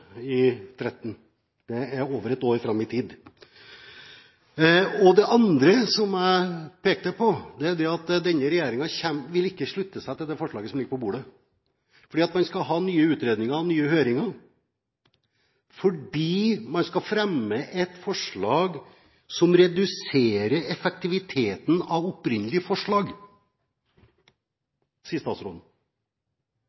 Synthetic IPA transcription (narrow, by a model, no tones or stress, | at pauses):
ɪt̪ʰɾɛt̪ːn | d̪̥ɛæɾoːʋəɾɛt̪oːɾfɾɑmɪt̪ʰiːd̪ | ɔd̪ɛʔɑnd̪ɾəsɔmæɪpeːk̚t̪əpʰɔd̪ɛæɖɛɑt̪d̪ɛnːəɾɛjæːɾɪŋɑçɛmʋɪlɪkːəʂɭʉt̪ːəsæɪt̪ɪld̪ɛfɔʂɭɑːɡəsɔmlɪɡəpɔbuːɖə | fɔɖiːɑt̪mɑnskɑɦɑːnyːəʉːt̪ɾeːd̪nɪŋəɾnyːəhøːɾɪŋɑ | fɔɖiːmɑnskɑfɾɛmːəʔɛt̪fɔʂɭɑːɡ | sɔmɾɛd̪ʉseːɾəɾɛfɛk̚t̪ɪʋɪt̪ʰeːt̪n̩ɑʋɔpɾɪnːəlɪəfɔʂɭɑːɡ | siːəst̪ɑːt̪sɾo̰ːd̪n̩